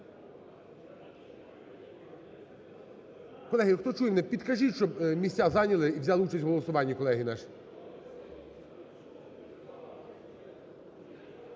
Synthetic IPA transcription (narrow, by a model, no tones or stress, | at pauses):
kɔlˠɛɦɪxt̪ɔt͡ʃujemnɛpʲid̪kɐʒiʃt͡ʃɔbmʲisʲtʲazɑnʲɐlˠɪiwzʲalˠɪut͡ʃɐsʲtʲɦɔlˠɔsʊʋɑnʲːɐkɔlˠɛɦɪnɑʃi̥